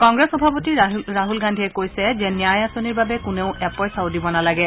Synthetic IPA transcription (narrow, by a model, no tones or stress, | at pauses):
kɔŋɡɹɛsxɔbʱapotiɹaɦulɡandʱiɛkojsɛzɛnijajasoniɹbabɛkʊneʊʔɛpɔjsaʊdibɔnalaɡɛ